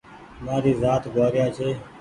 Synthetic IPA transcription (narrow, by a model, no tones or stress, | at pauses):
mãːɾiːzaːt̪ɡaːɾɪjaːt͡ʃʰeː